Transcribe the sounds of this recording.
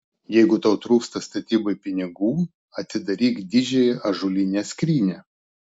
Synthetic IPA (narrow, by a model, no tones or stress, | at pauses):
jɛɪɡʊt̪ɐʊt̪ɾuːkst̪ɐst̪ɐt̪ʲiːbɐɪpʲɪnʲɪɡuː | ɐt̪ʲsʲɪd̪ɐɾʲiːkd̪ʲɪʒʲɛjɛʔɐʒʊlʲɪnʲɛːsʲkɾʲiːnʲɛ